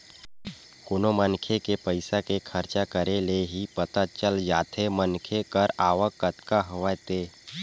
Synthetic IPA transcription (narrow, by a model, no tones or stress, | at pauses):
kʊnomənkʰekepəɪsakekʰəɾt͡ʃakəɾeleɦipət̪at͡ʃəld͡ʒaːt̪ʰemənkʰekəɾaːʋəkːət̪kaɦoʋajt̪eː